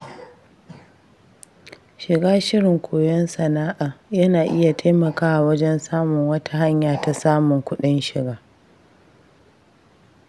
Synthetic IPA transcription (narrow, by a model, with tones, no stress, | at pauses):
ʃɪ˨ɡaː˦ʃɪ˦ɽɪ˨ŋkʷʰoː˨jɔ˦nsɐ˨naː˦ʔaː˨jɐ˦naː˨ʔɪ˦ja˨tʰaː˦mɐ˨kaː˦wa˨wɐ˦d͡ʒɛ˦nsaː˦mʊ˨ŋwɐ˦tʰa˨ɦa˦ɲjaː˨ta˨saː˦mʊ˨ŋkʷʊ˦ɗɪ˦nʃɪ˨ɡaː˦